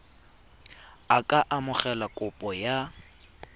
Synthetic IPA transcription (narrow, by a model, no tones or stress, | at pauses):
akʼaʔamʊχɛlakʼʊpʼɔja